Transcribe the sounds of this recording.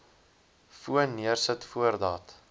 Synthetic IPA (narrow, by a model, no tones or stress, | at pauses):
fuənːiərsətfuərdɑːt